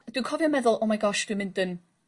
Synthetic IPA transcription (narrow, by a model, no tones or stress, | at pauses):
d̥wikʰɔvjɔmɛðʊlˠomajɡɔʃd̥wimɪ̃ndən